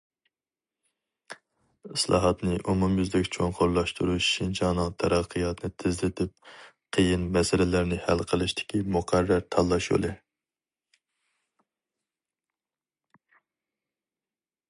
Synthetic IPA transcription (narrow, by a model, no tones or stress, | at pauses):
ɨslˠɑ̰ːɦɑt̪nɨʔumumjyzd̪ɛkʲt͡ʃʰoŋqʰoɾlˠɑʃt̪ʰuɾuʃːint͡ʃʰɑnɨŋt̪ʰɛɾɑqʰːɨjɑt̪nɨt̪ʰɪzlɪt̪ʰɪp̚ | qʰəjinmɛsɪlɪlæɾnɪhælqʰəlˠɨʃt̪ʰɪ̥kʲimuqʰæɾːæɾt̪ʰɑlˠːɑʃṵlˠɨ